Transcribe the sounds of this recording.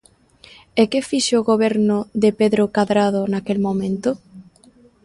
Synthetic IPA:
ekefiʃeoɣoβɛɾnʊðepeðɾokaðɾaðʊnakelmomẽnt̪ʊ

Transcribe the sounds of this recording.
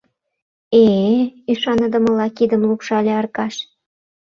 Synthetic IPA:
eyʃɑnəd̪ə̆mə̆lɑkid̪ə̆mlukʃɑlʲeɑrkɑʃ

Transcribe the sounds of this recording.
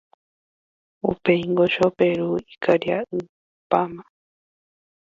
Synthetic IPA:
ṵpeiŋɡoʃopeɾuikaɾjaɨ | pama

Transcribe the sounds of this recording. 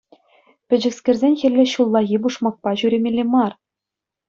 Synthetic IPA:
pʲɘ̆d͡ʑɘ̆ksʲkʲĕrzʲenʲxʲɘ̆rʲlʲːɘ̆ɕulˠːɑɣʲibuʂmɑk̚pɑʑyɾʲemʲelʲːemɑr

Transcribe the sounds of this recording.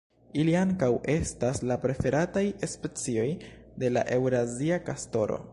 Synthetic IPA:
iliaŋkawe̞staslapɾe̞fe̞ɾatajespet͡sio̞jde̞la̰ʔe̞wɾaziakasto̞ɾo̰

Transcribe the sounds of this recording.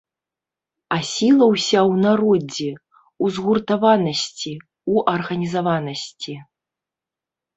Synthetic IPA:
asʲilˠɐwsʲawnaɾɔd͡zʲi | uzɣurt̪avanɐsʲt͡sʲi | uʔɐrɣɐnʲizavanɐsʲt͡sʲi

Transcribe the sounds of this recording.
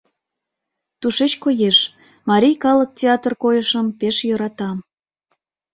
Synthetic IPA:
t̪uʃet͡ɕkojeʃ | mɑɾʲijkɑlək̚tʲeɑt̪ərkojəʃəmpeʃjoɾɑt̪ɑm

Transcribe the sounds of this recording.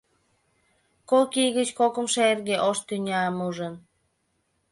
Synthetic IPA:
kokijɣət͡ɕkokə̆mʃeerɣeʔoʃt̪ynʲɑmuʒən

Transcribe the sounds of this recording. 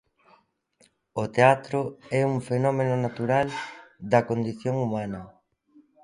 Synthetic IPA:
ot̪eat̪ɾʊɛuŋfenɔmenʊnat̪uɾald̪ɐkond̪iθjoŋumãnɐ

